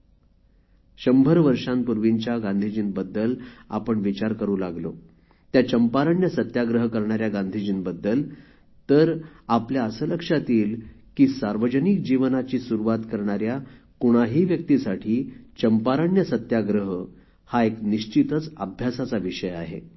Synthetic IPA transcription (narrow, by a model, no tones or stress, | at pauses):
ɕəmbʱəɾʋəɾʂãmpuɾʋiɲt͡ɕjaɡãnd̪ʱid͡ʑinbəd̪ːəla̰pəɳʋit͡ɕaɾkəɾũːlaɡlo | t̪jat͡ɕəmpaɾəɳjəsət̪jaɡɾəɦkəɾɳaɾjaɡãnd̪ʱid͡ʑinbəd̪ːəl | t̪əɾapljaəsələkʂat̪iːlkiːsaɾʋəd͡ʑənik̚d͡ʑiʋnat͡ɕiːsuɾuʋat̪kəɾɳaɾja | kuɽ̃aɦiːʋjək̚t̪isaʈʰiːt͡ɕəmpaɾəɳjəsət̪jaɡɾəɦə | haekniɕt͡ɕit̪ət͡səabʱjasat͡saʋiʂəjaɦḛ